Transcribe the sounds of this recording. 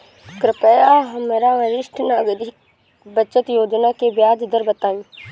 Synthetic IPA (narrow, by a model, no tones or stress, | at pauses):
kɾɪpɛjaɦɐmeɾaʋəɾɪʃʈʰnaːɡəd̪ɪk | bət͡ʃət̪joːd͡ʒnakebjaːd͡ʒɪd̪əɾbət̪aːĩː